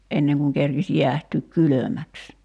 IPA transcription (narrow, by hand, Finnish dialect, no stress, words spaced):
ʔenːeŋ kuŋ kerkis jiæhtyːk kylømæks